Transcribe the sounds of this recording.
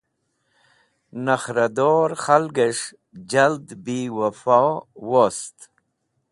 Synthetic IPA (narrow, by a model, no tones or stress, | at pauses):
naxɾad̪oɾχalɡeʂ | d͡ʒald̪biwafawost̪